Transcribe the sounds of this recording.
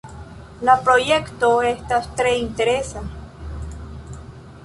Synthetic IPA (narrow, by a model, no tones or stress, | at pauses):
lapɾojekt̪oest̪ast̪ɾeint̪eɾesa